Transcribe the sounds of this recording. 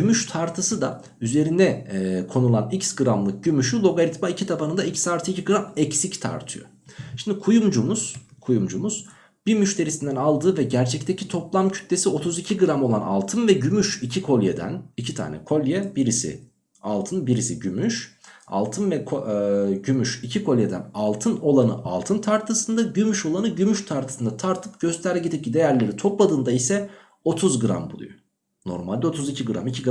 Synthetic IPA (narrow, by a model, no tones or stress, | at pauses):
ɟymyʃt̪ʰaɾt̪ʰɯsɯd̪a | yze̞ɾind̪ɛkʰo̞nulˠanicsɡɯɾamlˠɯk̚ɟ̥ymyʃylˠo̞ɡaɾʲit̪maicʰit̪ʰapanɯnd̪aicsaɾt̪ʰɯiciɡɯɾamɛcsict̪ʰa̰ɾt̪ʰɯjo̰ | ʃimd̪ikʰujumd͡ʒumuz̥kʰujumd͡ʒumuz̥ | b̥imyʃt̪ʰe̞ɾisind̪ænalˠd̪ɯːvɛɟæɾt͡ʃʰɛc̚t̪ʰecʰit̪ʰo̞plˠamcʰy̥t̪le̞sio̞t̪ʰuzicʰiɡɯɾamo̞lˠana̰lˠt̪ʰɯnvɛɟymyʃicʰikʰo̞lʲjed̪æ̰nicʰit̪ʰa̰ːnɛ̰kʰo̞lʲjɛbiɾisḭ | a̰lˠt̪ʰɯnbiɾisḭɟymyʃa̰lˠt̪ʰɯnvɛkʰoɟymyʃicʰikʰo̞lʲjed̪æ̰nalˠt̪ʰɯno̞lˠanɯ̰ʔa̰lˠt̪ʰɯnt̪ʰaɾt̪ʰɯsɯnd̪aɟymyʃo̞lˠanɯɟymyʃt̪ʰaɾt̪ʰɯ̥sɯnd̪at̪ʰaɾt̪ʰɯp̚ɟ̥ø̞st̪ʰæɾlɛɟit̪ip̚cid̪e̞jæɾlʲe̞ɾit̪ʰo̞plˠad̪ɯnd̪aisɛ | o̞t̪ʰuzɡɯɾa̰mbulˠṵjo | no̞̰ɾmalʲd̪ɛo̞t̪ʰuzicʰiɡɯɾa̰micʰiɡ